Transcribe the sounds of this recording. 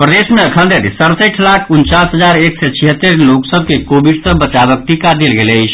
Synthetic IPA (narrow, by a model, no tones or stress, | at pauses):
pɾəd̪esmeəkʰənd̪eɾisəɾsəʈʰlakʰunt͡ʃasɦəd͡ʒaɾeksɛt͡ʃʰiɦət̪ːeɾloksəb̚kekobiɖsə̃bət͡ʃabək̚ʈikad̪elɡeləjt͡ʃʰ